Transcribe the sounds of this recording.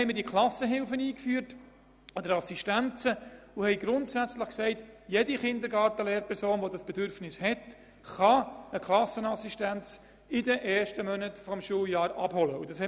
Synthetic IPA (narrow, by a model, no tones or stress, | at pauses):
ɛɪmədiəkʰlɑsəɦɪlfəniːkfyːəɾt | ɔd̥əɾɑsiʃtænt͡səuhɛɪɡɾʊntsæt͡sləχksɛɪtjediχɪnd̪əɾɡɑːɾtəleːɾpʰɛɾsoːnʋodɑsb̥ɛdʏɾfnɪshɛt | χɑəkʰlɑsənɑsiʃtænt͡s | ɪdəʔɛːɾʃtəmœnətfɔmʃuːljɑːɾʔɑ̰b̥hɔləud̥ɑshɛ